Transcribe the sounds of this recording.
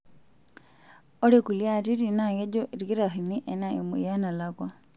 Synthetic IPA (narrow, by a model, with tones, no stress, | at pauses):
o˦ɾe˦ku˨lja˦˨ti˦ti˨na˨ɣe˦ɟo˦ʔi˨ɾi˨ki˦ɾa˨xi˨ni˦ʔe˨na˨ji˨mṵ˨ja˦na˨lakwa˦